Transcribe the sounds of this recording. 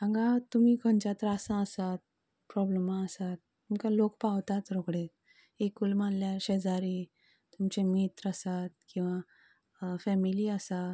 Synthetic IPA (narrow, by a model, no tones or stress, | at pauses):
ãŋɡat̪um̤iːkə̃nt͡ɕat̪ɾasãəsat̪̚ | pɾɔbləmaəsat̪̚ː | umkalokpaʋt̪at̪ɾoɡɽe | ekulmanljaɕed͡zaɾi | t̪umt͡ɕemit̪ɾəsat̪̚kĩw̃ʋa | fɛmiliəsa